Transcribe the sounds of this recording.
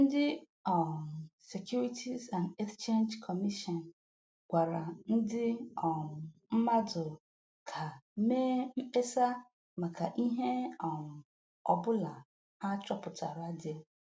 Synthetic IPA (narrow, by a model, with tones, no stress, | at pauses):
n̩˦dɪ˦ | ɔ˨se˨kju˦ɾi˦tʰi˦zã˨nde˦kst͡ʃe˦nd͡ʒkʰɔ˨mi˦ʃɔ˨n˨ | ɡʷa˨ɾa˨n̩˦dɪ˦ɔ˨m˨m̩˦ma˦dʊ˨ | kʰa˨me˦m̩˦e˦sa˦ | ma˨ka˨ʔi˦ɦe˦ɔ˨m̩˨ | ɔ˨bʊ˦la˨ | ha˦t͡ʃɔ˦pʊ˨tʰa˨ɾʊ˨˦a˦dɪ˨e˦